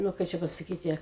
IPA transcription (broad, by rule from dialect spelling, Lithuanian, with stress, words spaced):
ˈnʊ ˈkɐɪ t͡ʃʲɛ pɐsɐˈkʲiːtʲɪ